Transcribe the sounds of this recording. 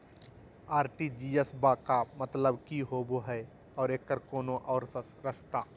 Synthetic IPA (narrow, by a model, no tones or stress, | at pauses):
aːɾʈid͡ʒiːjəsbakamət̪ləbkiɦoːboɦɛ | ɔːɾeːkːəɾkoːnoʔɔːɾ | ɾəst̪aː